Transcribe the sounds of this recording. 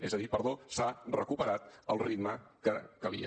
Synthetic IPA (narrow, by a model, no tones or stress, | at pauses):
ezəðipəɾðosarəkupəɾat̪̚əlˠrid̪məkəkəlḭə̰